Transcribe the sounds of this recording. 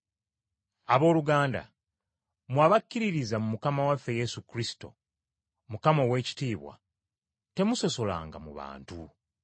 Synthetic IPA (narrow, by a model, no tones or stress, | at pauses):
aβo̞ːluɡaːnda̰ | mwaːβakːiɾiɾizamumukamawafːe̞je̞sukɾisi̥to̞̰ | mukamowe̞ːci̥tiːβwa̰ | te̞muso̞so̞la̰ːŋɡa̰mṵβa̰ːntṵ